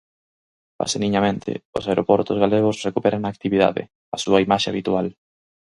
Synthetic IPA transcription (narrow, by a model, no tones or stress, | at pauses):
pa̰seniɲamẽnt̪ʰɪ̰ʊ̰saeɾopɔɾt̪ozɣaleɣ̞ʊsrekupɛɾʔaŋnaːk̚t̪iβiða̰ðɪ̰ | asuɐimaʃea̰βit̪ual